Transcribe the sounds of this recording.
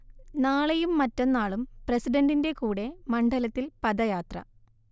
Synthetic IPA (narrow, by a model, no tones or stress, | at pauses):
naːɭejumːɐtːonːaːɭumprɐsiɖɐndinde̞kuːɽe̞mɐɳɖɐlɐt̪ːilpɐdɐjaːt̪rɐ̰